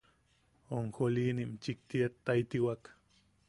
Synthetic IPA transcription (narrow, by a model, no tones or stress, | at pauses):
oŋxoliːnimt͡ʃik̚t̪iet̪ːait̪iwak